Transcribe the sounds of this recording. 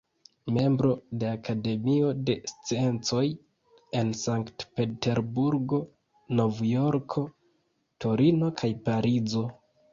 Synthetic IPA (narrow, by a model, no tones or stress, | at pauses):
me̞mbɾo̞de̞akade̞mio̞de̞st͡sie̞nt͡so̞j | e̞nsaŋktpe̞te̞ɾbuɾɡo̞ | no̞vjo̞ɾkʰo̞ | to̞ɾino̞kʰajpaɾizo̞